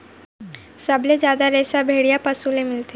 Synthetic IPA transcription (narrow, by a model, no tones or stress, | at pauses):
səbled͡ʑjaːd̪aɾɛːsabʱeɽijapəsulẽmɪlt̪e